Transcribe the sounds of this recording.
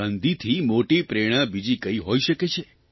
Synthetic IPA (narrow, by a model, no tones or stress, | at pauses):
ənd̪it̪ʰimoʈipɾeɽ̃əbid͡ʒikəiɦoiʃəket͡ʃʰe